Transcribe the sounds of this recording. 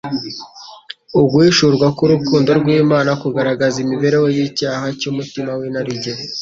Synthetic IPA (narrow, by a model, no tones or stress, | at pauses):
ubɡwiːʃuɾɡwakuɾukuːndo̞ɾɡwiːmaːnakuɡaɾaɡazimiβe̞ɾe̞wejicaːhacuːmutimawinaɾiɟe